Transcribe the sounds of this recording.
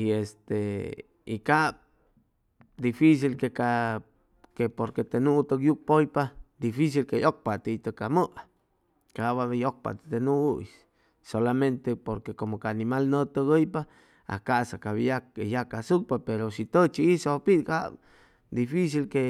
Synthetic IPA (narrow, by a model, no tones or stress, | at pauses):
iest̪e | ikab̚ | d̪ifis̬ilkeka | kepoɾket̪enũt̪əkjuk̚pojpad̪ifis̬ilkejok̚pat̪it̪əkaməʔa | kaʔβajok̚pa̰t̪e̥t̪enũʔuis | solamẽnt̪epoɾkekomokaːnimalnət̪əɡəjpa | a̰kaʔsakaβjakejakasuk̚papeɾosit̪ət͡ʃiisopika | d̪ifis̬ilke